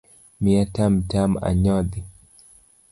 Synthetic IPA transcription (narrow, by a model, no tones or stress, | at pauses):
miatam̩tama̰ɲɔði